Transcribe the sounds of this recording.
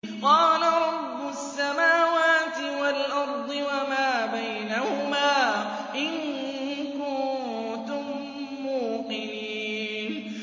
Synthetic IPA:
qɑːlaɾˤɑbːʊsːamaːwaːt̪ɪwalʔɑɾˤd̪ˤɨwamaːbajnahʊmaː | ʔɪnkʊn | t̪ʊmː | uːqɪniː | n

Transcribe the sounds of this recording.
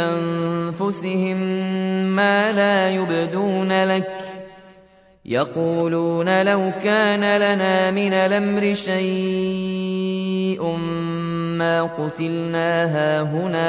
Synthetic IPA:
ʔanfʊsɪhɪmː | aːlaːjʊbd̪uːnalak | jɑquːluːnalawkaːnalanaːmɪnalamɾɪʃaj | ʔm | maːqʊt̪ɪlnaːɦaːɦʊnaː

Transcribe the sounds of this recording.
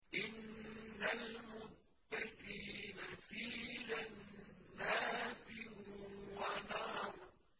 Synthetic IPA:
ʔɪnːalmʊd̪̚ː | aqiːnafiːlanːaːt̪ɪhʊwanahɾ

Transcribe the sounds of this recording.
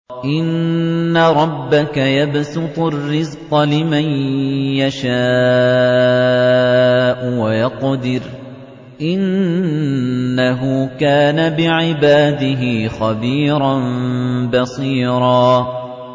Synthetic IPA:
ʔɪnːaɾˤɑbːakajabsʊt̪ˤʊrːɪzqɑlɪmanjaʃaː | ʔʊwajɑqd̪ɪɾ | ʔɪn | aɦʊːkaːnabɪʕɪbaːd̪ɪɦɪːxabiːɾˤɑnbɑsˤiːɾˤɑː

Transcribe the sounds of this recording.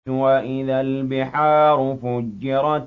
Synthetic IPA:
waʔɪðalbɪħaːɾʊfʊd͡ʒːɪɾˤɑt̪

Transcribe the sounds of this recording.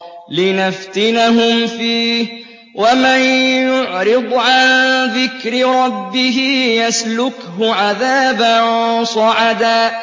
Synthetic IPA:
lɪnaft̪ɪnaɦʊmfiːh | wamanjʊʕɾɨd̪ˤʕanðɪkɾɪɾˤɑbːɪɦɪjaslʊkhʊʕaðaːbansˤɑʕɑd̪aː

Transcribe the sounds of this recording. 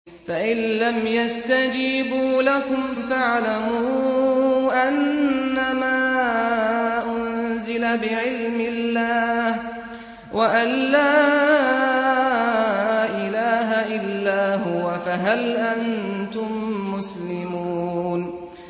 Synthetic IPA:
faʔɪnːamjast̪ad͡ʒiːbuːlakʊm | faʕlamuː | ʔanːamaː | ʔʊnzɪlabɪʕɪlmɪlːaːh | wʔaʔanlaː | ʔɪlaːɦaʔɪlːaːɦʊwafaɦalʔant̪ʊmːʊslɪmuːn

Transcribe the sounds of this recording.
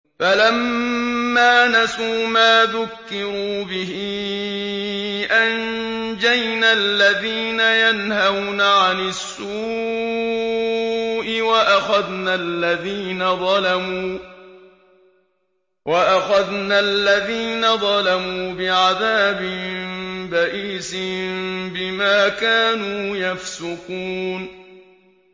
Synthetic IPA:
falamː | aːnasuːmaːðʊkːɪɾuːbɪɦi | ʔan | d͡ʒajnalːaðiːnajanhawnaʕanɪsːuː | ʔɪwaʔaxaðnalːaðiːnaðˤɑlamuː | wʔaʔaxaðnalːaðiːnaðˤɑlamuːbɪʕaðaːbɪmbaʔiːsɪmbɪmaːkaːnuːjafsʊkuːn

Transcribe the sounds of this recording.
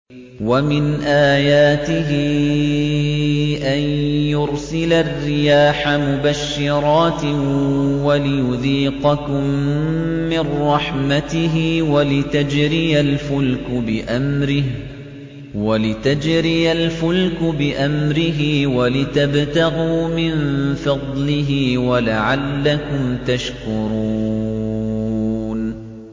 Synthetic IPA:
wamɪnʔaːjaːt̪ɪɦɪ | ʔanjʊɾsɪlarːɪjaːħamʊbaʃːɪɾˤɑːt̪ | walɪjʊðiːqɑkʊmː | ɪrːɑħmat̪ɪɦɪwalɪt̪ad͡ʒɾɪjalfʊlkʊbɪʔamɾɪ | walɪt̪ad͡ʒɾɪjalfʊlkʊbɪʔamɾɪɦɪːwalɪt̪abt̪aɣuːmɪnfɑd̪ˤlɪɦɪːwalaʕalːakʊmt̪aʃkʊɾuː | n

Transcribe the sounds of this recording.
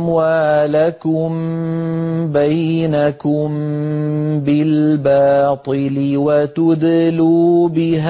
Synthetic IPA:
mwaːlakʊm | bajnakʊm | bɪlbɑːt̪ˤɨlɪwat̪ʊd̪luːbɪɦ

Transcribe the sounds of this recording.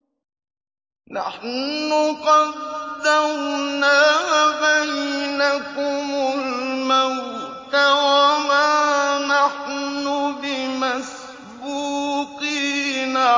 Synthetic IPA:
na̰ħnʊqɑd̪awnavajnakʊmʊlmawt̪awamanaħnʊbɪmas | buːqiːna

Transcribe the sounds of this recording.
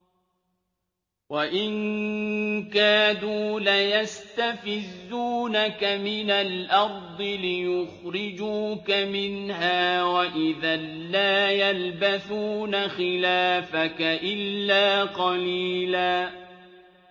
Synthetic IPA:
waʔɪŋ | kaːduːlajast̪afɪzːuːnakamɪnalʔɑɾˤd̪ˤɨlɪjʊxɾɪd͡ʒuːkamɪnhaːwaʔɪðalːaːjalbaθuːnaxɪlaːfakaʔɪlːaːqɑliːlaː

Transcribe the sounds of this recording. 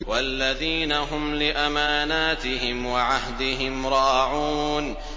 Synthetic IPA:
walːaðiːnaɦʊmlɪʔamaːnaːt̪ɪɦɪmwaʕahd̪ɪɦɪmɾˤɑːʕuːn

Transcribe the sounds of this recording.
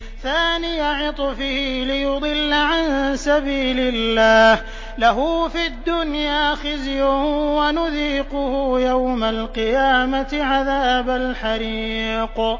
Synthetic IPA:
θaːnɪjaʕʊt̪ˤfɪhiːlɪjʊd̪ˤɨlːaʕansabiːlɪlːaːh | laɦʊfiad̪ːʊnjaːxɪzjʊwanʊðiːqʊhʊjawmalqɪjaːmat̪ɪʕaðaːbalħaɾiq

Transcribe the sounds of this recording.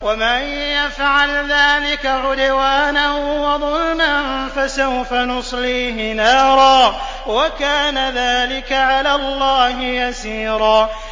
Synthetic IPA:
waman | jafʕalðaːlɪkaʕʊd̪waːnanwɑðˤʊlmannfasawfanʊsˤliːɦɪnɑːɾˤɑː | wakaːnaðaːlɪkaʕalaːlˤːɑːɦɪjasiːɾˤɑː

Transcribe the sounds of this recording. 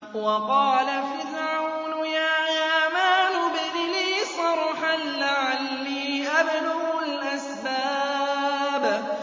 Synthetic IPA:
wɑqɑːlafɪɾʕawnʊjaːʕaːmaːnʊbɪðniːsˤɑɾˤħanlaʕalːiːʔabd̪aɣʊlʔasbaː | b

